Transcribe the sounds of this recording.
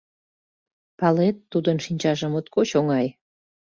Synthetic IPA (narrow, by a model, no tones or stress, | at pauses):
pɑlet̪ːud̪ənʃinʲt͡ɕɑʒə̆mot̪koɕoŋɑj